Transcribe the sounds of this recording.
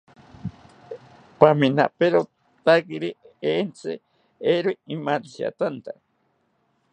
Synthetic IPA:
pamina̰peɾo | t̪akiɾi | ent͡sḛ | eɾoiimaɾiɕa̰t̪ant̪a

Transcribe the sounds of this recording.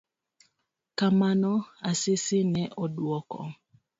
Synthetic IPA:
kamanɔasɪsɪnɛʔɔdwɔkɔ̰

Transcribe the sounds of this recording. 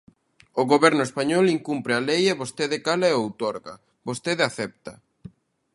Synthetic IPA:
oɣoβɛɾnʊespaɲɔliŋkumpɾɪalejeβost̪eðekalaeowt̪ɔɾɣa̰ | bost̪eðaθɛp̚t̪a

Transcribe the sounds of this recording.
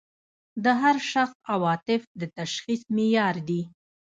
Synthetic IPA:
d̪əɦaɾʃaxsawɑt̪ɪfd̪ət̪aʃxismɪjɑɾd̪i

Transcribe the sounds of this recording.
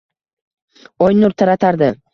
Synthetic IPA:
ɒjnʊɾt̪ʰaɾat̪ʰaɾd̪ɪ

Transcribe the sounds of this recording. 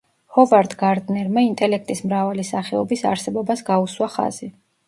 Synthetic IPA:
hɔvaɾd̪ɡaɾd̪nɛɾmaint̪ʼɛlɛk̚ʰt̪ʼismɾavalisaχɛɔbisa̰ɾsɛbɔbasɡauswaχa̰z̥i

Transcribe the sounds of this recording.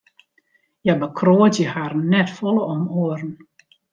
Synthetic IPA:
jabəkʰroətjəharnɛtfɔləɔmoəɾən̩

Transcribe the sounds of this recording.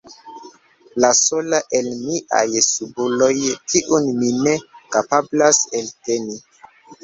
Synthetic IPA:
laso̞laʔe̞lmiʔa̰jsubulo̞jkʰiʔunmine̞kapablaselte̞ni

